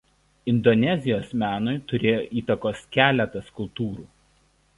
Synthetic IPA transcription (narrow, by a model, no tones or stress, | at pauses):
ɪnd̪ɔnʲɛzʲɪjoːsmʲæːnʊɪt̪ʊɾʲeːjoːʔiːt̪ɐkoːskʲæːlʲɛt̪ɐskʊlˠt̪uːɾuː